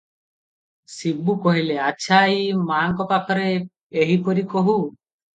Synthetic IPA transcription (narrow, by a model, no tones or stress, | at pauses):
sibːukoɦileatːʃʰajmaŋkɔpakʰɔɾe | eɦipɔɾikoɦu